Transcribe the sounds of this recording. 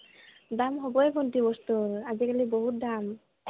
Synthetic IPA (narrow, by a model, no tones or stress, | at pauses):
damɦɔbɔɛkʰɔntibɔst̪uɾazikalibɔɦut̚d̪am